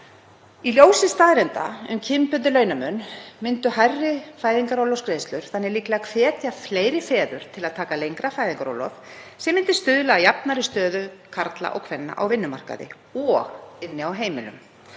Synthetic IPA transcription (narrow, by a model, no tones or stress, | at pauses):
iljoːwsɪst̪aːðɾɛnt̪a̰ʏ̰mcʰɪmpʏnt̪̬ɪlœːɥnamʏnmɪnt̪ʏɦajrːɪfaːjðiŋkaɾowlɔwskɾeːjst̪lʏɾ̥θanːɛɣliːklaakʰvɛːt̪jafleːjɾɪfɛːðʏɾ̥t̪ʰɪlaðt̪ʰaːkalejŋkɾafaːjðiŋkaɾo̰wlɔ̰fsɛmːɪnt̪ɪ̥st̪ʏðlajapnaɾɪst̪œːðʏkʰaɾt̪la̰ʔɔ̰ɣkʰvɛnːa̰ʔa̰wvɪnːʏmar̥ka̰ðɪ̰ | ɔɣɪnːɪawɦeːjmɪlʏ̰m